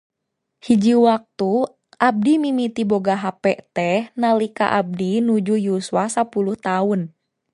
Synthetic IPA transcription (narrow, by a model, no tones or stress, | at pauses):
hid͡ʒiwak̚t̪u | ʔab̚dimimit̪iboɡaɦapɛʔt̪ɛhnalika̰ʔab̚dinud͡ʒujuswasapuluht̪aun